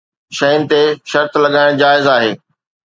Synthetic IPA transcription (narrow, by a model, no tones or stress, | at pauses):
ʃɐjʊnɪ̆t̪eʃɐɾt̪lɐɠaːɪɽ̃d͡ʑaːɪzaːɦeː